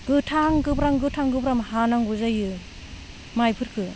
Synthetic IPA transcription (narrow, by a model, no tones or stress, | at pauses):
ɡɯtʰaŋɡɯpɾaŋɡɯtʰaŋɡɯbɾamhanaŋɡuzajɯ | majpʰɯɾkʰɯ